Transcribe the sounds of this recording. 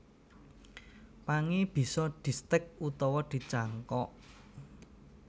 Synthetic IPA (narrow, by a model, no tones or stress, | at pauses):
paŋib̥i̤sɔd̪̥i̤st̪ɪk̚ut̪ɔwɔd̪̥i̤t͡ʃaŋkɔʔ